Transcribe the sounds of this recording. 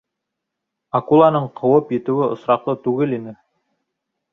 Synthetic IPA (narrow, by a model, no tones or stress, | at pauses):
akulˠɑnɤɴqʰŏwɤpjɘ̆t̪ɘ̆wɘŏsɾɑqlˠɤt̪ʉɡɘlinɘ